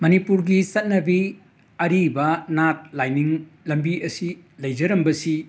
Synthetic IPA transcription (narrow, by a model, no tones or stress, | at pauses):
mɐnipuɾɡisɐt̚nɐbi | ɐɾibɐnat̚lajniŋlɐmbiɐsilɐjd͡ʒɐɾɐmbɐsi